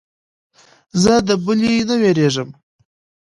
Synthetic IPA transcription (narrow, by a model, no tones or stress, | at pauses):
zəd̪əbʊlinəweɾeʐəm